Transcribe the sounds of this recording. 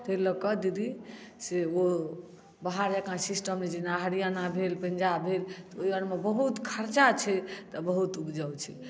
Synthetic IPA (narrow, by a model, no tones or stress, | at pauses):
t̪eləkəd̪id̪iseo | baɦaɾd͡ʒəkãsisʈəmned͡ʒinaɦɾijanabʱelpə̃nd͡ʒabʱelt̪ɔojənmebəɦut̪kʰəɾt͡ʃat͡ʃʰɛt̪ɔbəɦut̪ubd͡ʒawt͡ʃʰɛ